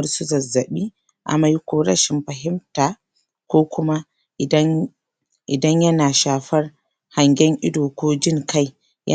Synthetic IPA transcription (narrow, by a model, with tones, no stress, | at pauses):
ɾsʊ˦zɐ˨zːɐ˨ɓi˦ | ʔa̰˨ma˦jkʷoː˦ɾɐ˦ʃɪ˨mɸɐ˨ɦɪ˦mtaː˨ | kʷoː˦kʷʊ˦ma˦˨˦ | ʔɪ˨dɐ˦ɲjɐ˦naː˨ʃaː˨ɸɐ˦r | ha˨ŋɡʲɛ˦ŋʔɪ˦doː˨kʷoː˦d͡ʒɪ˦˨ŋka˦j | jɐ̰˦